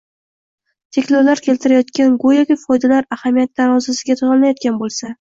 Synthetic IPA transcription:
t̪ʰe̞kʲloɾlaɾkʲʰe̞lt̪ʰɪɾajɒt̪kʲanɡʊjɒkʲɪfɒjd̪alaɾahamijat̪ːaɾɒzasɪɡʲat̪ʰʊʁanlajɒt̪̚kʲanbolˠsa

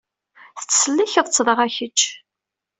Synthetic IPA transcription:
θə̥t͡sːsəlːiçəðˤt͡sːðəʁæçəd͡ʒ

